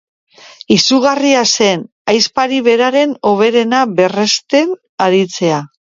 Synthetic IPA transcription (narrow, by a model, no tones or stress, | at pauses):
isuɣ̞ariase̞n | ajspaɾiβe̞ɾaɾe̞no̞β̞e̞ɾe̞naβe̞re̞st̪e̞n | aɾit͡se̞a